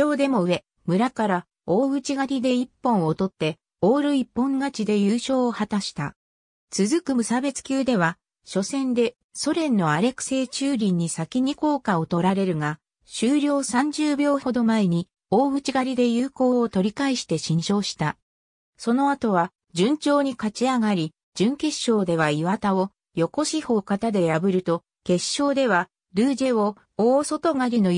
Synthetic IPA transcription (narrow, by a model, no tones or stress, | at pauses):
o̞ːd̪e̞mo̞ɯ̟e̞ | mɯ̟ɾakaɾa | o̞ːɡɯ̟t͡ɕiɡaɾʲid̪e̞ipːõ̞ɰ̃ot̪o̞t̪ːe̞ | o̞ːɾɯ̟ipːõ̞ŋɡat͡ɕid̪e̞jɯːɕo̞ːohat̪aɕi̥t̪a̰ | t͡sɨzɨkɯ̟mɯsabe̞t͡sɨ̥kʲɨːd̪e̞βa | ɕo̞sẽ̞nd̪e̞ | so̞ɾẽ̞nːo̞aɾe̞kɯ̥se̞ːt͡ɕɨːɾʲĩɲ̟ːisakʲiɲ̟iko̞ːkao̞t̪o̞ɾaɾe̞ɾɯ̟ŋa | ɕɨːɾʲo̞ːsãɲ̟d͡ʑɨːbʲjo̞ːho̞d̪o̞mae̞ɲ̟i | oːɡɯ̟t͡ɕiɡaɾʲid̪e̞jɯːko̞ːt̪o̞ɾʲikaiɕi̥t̪e̞ɕĩɲ̃ɕo̞ːɕi̥t̪a | so̞no̞at̪o̞β̞a | d͡ʑɨ̃ɲ̟t͡ɕo̞ːɲ̟ikat͡ɕiaɡaɾʲi | d͡ʑɨ̃ŋke̞ɕːo̞ːd̪e̞β̞aiβat̪ao̞ | jo̞ko̞ɕiho̞ːkat̪ad̪e̞jabɯ̟ɾɯ̟t̪o̞ | ke̞ɕːo̞ːd̪e̞β̞a | ɾɯ̟ːʑe̞o̞ | oːso̞t̪o̞ŋaɾʲino̞